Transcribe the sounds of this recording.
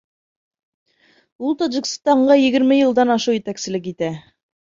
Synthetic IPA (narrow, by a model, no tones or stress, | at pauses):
ulˠt̪aʒikst̪ɑɴɢɑjɘ̆ɡɘ̆ɾmɘjɤ̆lˠd̪ɑnɑʃuwjɘ̆t̪æksɘ̆lɘkit̪æ